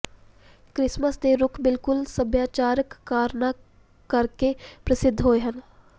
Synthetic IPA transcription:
kɾɪsməsd̪eɾʊkʰbɪlkʊlsəbjaːt͡ʃaːɾəkːaːɾna | kəɾkepɾəsɪd̪ʱɦoːeɦən

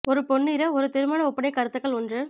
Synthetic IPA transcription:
ɔɾɯpɔɳːɪɾɐɔɾɯt̪ɪɾɯmɐnɐɔpːɐnɐɪkːɐɾɯt̪ːɯkːɐɭɔndrɯ

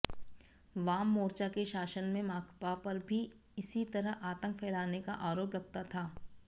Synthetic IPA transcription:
ʋaːmːoːɾt͡ʃakeʃaːʃənmẽmaːkʰpapɐɾbʱi | ɪsit̪ɐɾəɦaːt̪ə̃ŋk̚pʰɛːlaːnekaʔaːɾoːpɾɐɡ̚t̪at̪ʰaː

